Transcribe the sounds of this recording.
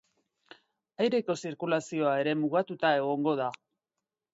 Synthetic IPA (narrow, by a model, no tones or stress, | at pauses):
ajɾe̞ko̞siɾkulasio̞ae̞ɾe̞muɣat̪ut̪ae̞ɣ̞o̞ŋɡo̞ð̞a